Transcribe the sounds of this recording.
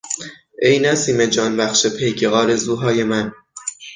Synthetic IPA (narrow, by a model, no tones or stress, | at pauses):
ʔejnæsiːme̞d͡ʒɒːnbæxʃepʰejɡʰeʔɒːɾe̞zuːɦɒːje̞mæn